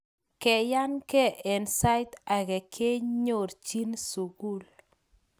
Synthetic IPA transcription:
kɛ˨ja˦nkɛ˦ʔɛ˨nsa˦jta˨ɡɛ˨kʰe˦ɲo˨ɾt͡ʃi˦nsu˨ɡu˦˨l

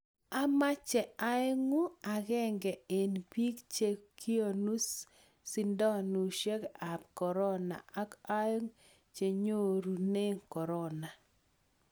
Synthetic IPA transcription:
a˦ma˦t͡ʃɛ˨a˦jŋu˦a˨ɣɛ˦˨ŋɡɛ˨e˨npi˦kt͡ʃe˨ki˦o˨nu˦s | si˨ndɔ˦nu˨ʃe˦ka˨p̚kɔ˨ɾɔ˦na̰˨ʔa˦ka˦jŋ | t͡ʃe˨ɲo˦ɾu˨ne˦ŋkɔ˨ɾɔ˦na˨

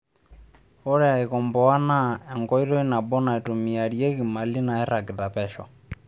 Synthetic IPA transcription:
ɔ˦ɾɛ˦a˨i˨kɔ˨mbɔ˨a˦na˦ɛ˨ŋɡɔ˦i˦ɾɔ˦i˦na˨bɔ˦na˨i˨tu˨mi˨a˨ɾijɛ˦ki˨ma˨li˦na˨ɛ˦ɾa˨ɡi˨ta˨pɛ˨ʃɔ̰˨

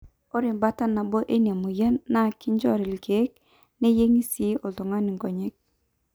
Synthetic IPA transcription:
o˦ɾi˨mba˦ta˦na˨bo˦ʔe˦ni˨a˨mu˨jə˦nːa˦˨ki˦ɲd͡ʒɔ̰˦˨ɾi˨lɡe˨˦k̚ | ne˦je˦ŋi˦si˦o˨ɮo˨ŋa˦ni˨ŋɡɔ˨ɲe˦k̚

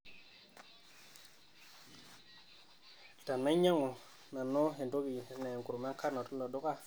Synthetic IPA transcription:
ta˨nːa˦ɲa˦ŋo˨ | na˨nːo˦ɦe˨ndo˦ki˨na˨ŋɡu˨ɾme˦kʰa˦na˨tu˦lo˨do˦ka˦

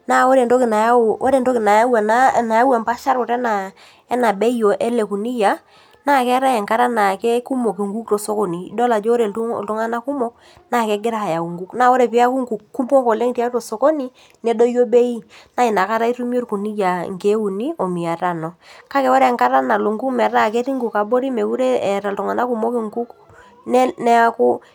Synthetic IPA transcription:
na˦˨wo˦ɾe˨ndɔ˦kɪ˨na˨ja˦˨o˦ɾe˨ndo˦kɪ˨na˨ja˦wa˨na˦na˨ja˦wa˨mpa˦ʃa˦ɾʊ˨ɾɛ˦na˨ | ɛ˦na˨be˦jo˨ʔɛ˦le˨ku˨ni˦ja˨ | na˦˨kɛ˦ɾa˦ɛ˨ŋka˦ɾa˦na˨kɛ˦ku˦mo˨ke˨ŋɡu˦k̚to˨so˦ko˨ni˨˦do˦la˨d͡ʒo˦ɾḛ˨˦˨ltʊ˦ŋa˦na˦ku˦mɔ˦k̚ | na˦˨kɛ˦ɡɪ˦ɾa˦˨a˨ja˨ku˨ŋɡu˦kna˦˨wo˦ɾe˨pɪ˦a˦ku˦ŋɡu˨kkːu˦mpo˦ŋko˨le˦ŋ˦ti˦a˦to˨so˨ko˦ni˦ | nɛ˦do˦jo˦be˦i˦na˦ɪ˨na˨ka˦ɾa˦i˦tu˦mjo˦ɾku˨ni˦ja˨ŋke˦u˨ni˦o˨mi˨a˨ta˦nɔ˨ka˦kɛ˨˦wɔ˦ɾŋka˦ɾa˦na˨lo˨ŋɡu˦kmɛ˨ta˦˨ke˦ti˦ŋɡu˨ka˨bo˦ɾi˦me˨ku˦ɾe˦ɛ˨ɾa˨ltu˨ŋa˨na˦ku˨mo˦ki˨ŋku˦k | n˦nɛ˦a˦kʊ˦

